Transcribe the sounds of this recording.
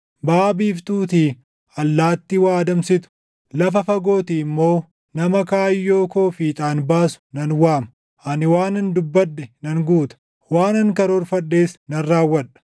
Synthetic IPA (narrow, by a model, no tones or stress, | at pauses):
baːbiːft̪uːt̪iː | ɐlːaːt̪ːɪwaːd̪ɐmsɪt̪ʊ̥ | lɐfɐfɐɡo̞ːt̪iːɪmːo̞ː | nɐmɐkaːjːo̞ːkoːfiːt̪ʼaːnbaːsʊ̥nɐnwaːmɐ | ʔɐnɪwaːnɐnd̪ʊbːɐᶑːɛnɐŋɡuːt̪ɐ̥ | waːnɐŋkɐɾɔɾfɐᶑːeːsnɐnːaːwːɐᶑɐ̥